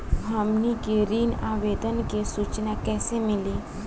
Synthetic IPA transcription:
ɦamnikeɾiːnaʋed̪ənkesut͡ʃnakɛsẽmili

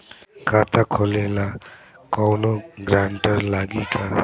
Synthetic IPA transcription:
kat̪ʰakʰɔlela | kɔwnɔɡɾaɳʈʌɾlaɡikʰa

